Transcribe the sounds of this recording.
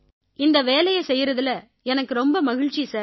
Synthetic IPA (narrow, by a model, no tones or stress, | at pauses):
ɪnd̪ɐʋeːlɐjɐsɛjːɪɾɐðɯlɐ | ɛnɐkːɯɾɔmbɐmɐɣɪɻt͡ʃisaːɾ